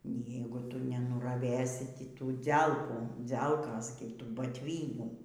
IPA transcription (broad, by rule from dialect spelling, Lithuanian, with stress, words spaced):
ˈnʲiː ˈjɛɪɡʊ ˈtʊ nʲɛnʊrɐˈʋʲeːs ˈtʲiː ˈtuː ˈd͡zʲɛlˠkuː ˈd͡zʲɛlˠkoːs ɡʲɪ ˈtuː bɐtʲˈʋʲiːnʲuː